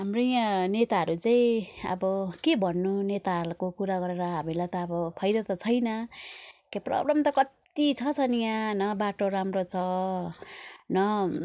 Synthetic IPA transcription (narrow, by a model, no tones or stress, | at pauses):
ɦamrojãnet̪aɦʌɾut͡saĩʌ̰bʌkebʱʌnːunet̪alkokuɾaɡʌɾeɾʌɦamilajt̪ʌːbʌpʰʌjd̪at̪ʌt͡sʰʌjnʌ | keprʌ̰blʌmt̪ʌkʌt̪it͡sʰʌt͡sʰʌnijãnʌbaʈoɾamrot͡sʰʌ | nʌ